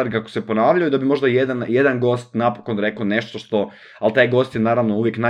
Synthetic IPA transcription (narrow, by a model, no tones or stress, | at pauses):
aɾikakosepo̞naːʋʎajud̪abimo̞ʒd̪ajed̪anjed̪anɡo̞ːst̪napokonɾe̞kone̞ʃt̪o̞ʃt̪o̞ | alt̪aːjɡo̞st̪jenaːɾaʋnouʋjekna